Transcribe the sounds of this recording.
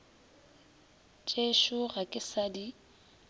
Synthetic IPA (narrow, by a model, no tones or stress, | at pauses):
t͡ʃʼeʃʊɣakʼɪsadi